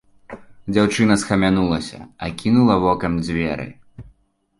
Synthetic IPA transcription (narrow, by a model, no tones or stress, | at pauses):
d͡zʲawt͡ʂɨn̪ɐsxɐmʲanulˠɐsʲɐ̰ɐkʲinulˠɐvɔkɐmd͡zʲvʲɛ̰ɾɨ̰